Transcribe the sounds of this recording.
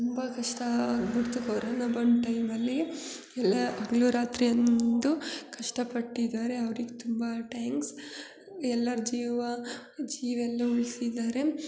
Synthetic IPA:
tt̪umbɐkɐʂʈɐbiɽt̪ukoɾoːnɐbɐɳʈɐjmɐlːi | ɛlːɐɐɡɐɭuɾaːt̪ɾijɐnnond̪ukɐʂʈɐpɐʈːid̪aːɾe̞ɐʋɾiɡet̪umbɐʈaːŋks | ɛlːɐɾd͡ʒiːʋɐd͡ʒiːʋɛlːɐuɭsid̪ːaːɾe̞

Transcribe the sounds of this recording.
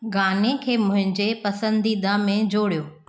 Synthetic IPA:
ɡaːnekʰeːmʊ̃ɦɪ̃ɲd͡ʑepɐsə̃nd̪ʱid̪ãːmẽd͡ʑoːɽijoː

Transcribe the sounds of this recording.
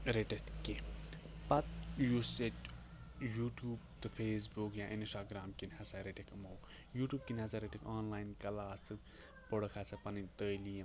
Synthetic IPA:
ɾeʈet̪kipɐt̪juset | juːʈjuːbt̪ɨfʰeːs̬bukjãːʔinsʈaːɡɾaːmkinhɐsaɾeʈekmoːw | juːʈjuːb̚kinasaɾeʈikʰaːnlaːjnkɐlaːst̪ɨ | pəɽɐkʰaːsɐpɐnint̪əːlijɐ̃

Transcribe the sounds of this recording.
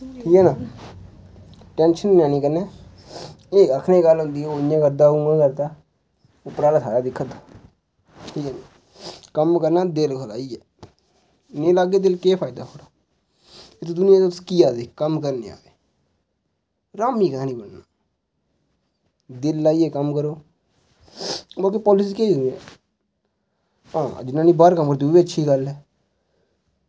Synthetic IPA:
ʈʰiːkɛːnaː | ʈɛ̃ːnʃənːãːnĩːkəɾnɛː | eːəkʰneːɡəlɦʊ̃nd̪iːojãːkəɾd̪aːuãːkəɾd̪aː | ʊpːɾaːlat̪ʰaːjaːd̪ɪkʰːət̪ḁː | ʈʰiːkɛːnaː | kəmkəɾnaːd̪ɪlkʰəla̰ːiːɛː | neːlaːɡeːd̪ɪlkeːpʰaːid̪aːɦoːɽaː | ɪt̪od̪ʊnɪjãːt̪oskiːaːd̪eːkəmkəɾneːa̰ːʋeː | ɾaːmiːkənãːnĩːbəɳnaː | d̪ɪlːaːiːɛːkəmkəɾoː | bəlkepɔːlɪsiːkeːiɛ̰ː | ãːd͡ʒɪnːaːnĩːbaːɾkəmkəɾt̪ioːbiːətːʃʰiːɡəlɦɛː

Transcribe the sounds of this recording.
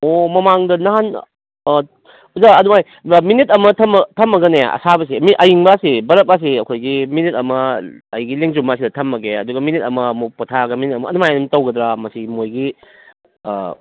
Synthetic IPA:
omɐmaŋdɐnɐɦan | uzaɐnumaj | minit̚ɐmɐtʰɐmtʰɐmːɐɡɐneja̰ɐ̰sabɐs̬imiʔɐjiŋbasibɐɾɐp̚as̬iɐkʰojɡiminitɐmɐɐ̰jɡileŋzumasidɐtʰɐmːɐɡeɐduɡɐminit̚ɐmɐmuputʰaɡɐminit̚ɐmɐːnumajɐnumtɐwɡɐdɾamɐsimojɡḭ

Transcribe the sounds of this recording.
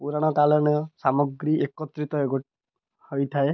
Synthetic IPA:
puɾaɽ̃ɔk̪alɔɽ̃ɔɔsamɔɡɾiʔekɔt̪ɾit̪ɔeɡoʈ | hojt̪ʰae

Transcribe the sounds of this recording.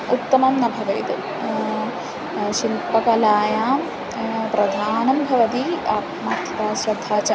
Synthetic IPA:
ut̪ːɐmɐmnɐbʱɐʋɐjt̪ | ʃilpɐkɐlaːjaː | pɾɐd̪ʱaːnɐmbʱɐʋɐt̪iɐ | maːt̪ʰɐt̪aːsɾɐd̪ʱaːt͡ʃɐ

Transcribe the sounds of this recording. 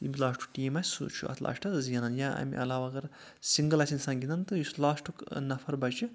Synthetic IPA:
ibʲilaːʂʈʰu̥k̚ʈiːmɐsʲsṵːt͡ʃʰṵɐ̰t̪ʰla̰ːʃʈʰɐt̪zijɐnaːnjãɐ̰mʲḭʔɐ̰laːʋaɐɡɐɾ | siŋɡəlɐsʲinsanɡʲinant̪ɨjuslaːʃʈʰuknɐfʰɐɾbɐt͡ʃɨ

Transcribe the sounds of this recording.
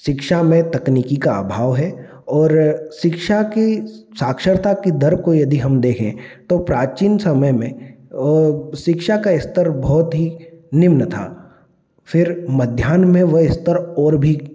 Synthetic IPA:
ʃɪkʃamẽt̪ɐkniːkikaa̰ːbʱaːʋɦɛ | ɔːɾʃɪkʃakisaːkʃəɾt̪akid̪ɐɾb̚kojɐd̪iɦɐmd̪eːkʰḛ̃t̪opɾaːt͡ʃiːnsɐməjmẽ | ʃɪkʃakaɪst̪əɾbɔːt̪ɦinɪmnət̪ʰa̰ː | fʰɪɾmɐd̪ʱjaːnmẽʋɐɪst̪əɾɔːɾbʱi

